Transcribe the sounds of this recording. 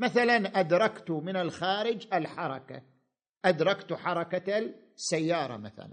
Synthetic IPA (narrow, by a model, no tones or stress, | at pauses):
maθalanʔad̪ɾˤɑkt̪mɪnalxaːɾɪd͡ʒalħɑɾˤɑ̰ka̰ | ʔad̪ɾˤɑkt̪ħɑɾˤɑka | sːajːɑːɾˤɑ̰ma̰θa̰la̰n